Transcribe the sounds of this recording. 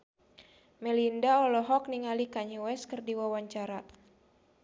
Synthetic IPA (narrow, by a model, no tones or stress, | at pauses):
mɛlindaɔlɔɦɔk̚niŋalikaɲɛwɛskərdiwawaɲt͡ʃaɾa